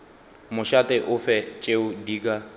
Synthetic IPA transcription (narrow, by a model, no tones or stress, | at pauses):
mʊʃatʼɪʔʊfɛt͡ʃʼeʊdiːk̬ʼa